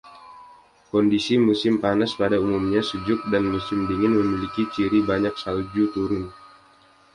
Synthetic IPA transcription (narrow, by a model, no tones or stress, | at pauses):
kɔndisimusɪmpanaspadaumumɲasud͡ʒʊk̚danmusɪmdiŋɪnməmilikit͡ʃiɾibaɲak̚salud͡ʒut̪uɾʊn